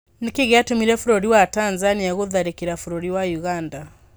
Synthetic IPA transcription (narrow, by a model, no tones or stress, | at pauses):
nekeɣeatomiɾɛfuɾɔɾiwatanzaniaɣoðaɾekiɾafoɾoɾiwajuɣanda